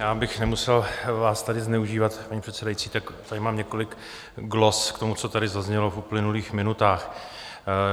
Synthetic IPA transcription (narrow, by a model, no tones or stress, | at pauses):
jaːbɪxnɛmusɛlvaːst̪adɪznɛuʒiːvat̪paɲipr̥ɛt̪sɛdait͡siːt̪akt̪adɪmaːmɲɛko̞lɪk | ɡlo̞skt̪o̞mut͡so̞t̪adɪzazɲɛlofuplɪnuliːxmɪnut̪aːx